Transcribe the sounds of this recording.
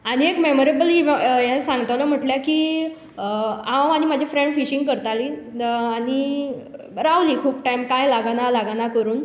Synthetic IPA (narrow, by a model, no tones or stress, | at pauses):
aɽ̃iekmemoɾebəliʋjaesãŋɡt̪aʋlɔm̤əʈljakiː | ãwanimad͡ʑʱafɾẽɳɖfiɕiŋɡkəɾt̪aliːaɽ̃i | ɾaʋliːkʰuːpʈaimkajlaɡnalaɡanakəɾuːn